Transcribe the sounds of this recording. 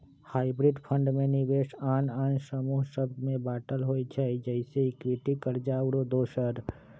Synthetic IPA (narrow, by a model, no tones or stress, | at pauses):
haːɪbɾɪɖpʰə̃ɳɖmẽnɪʋeːʃaːnaːnsəmuːɦʃəb̚d̪mẽbaːʈəlɦoːid͡ʒaid͡ʒɛɪseɪkwɪʈikəɾd͡ʒaːwɽod̪oːʃəɾ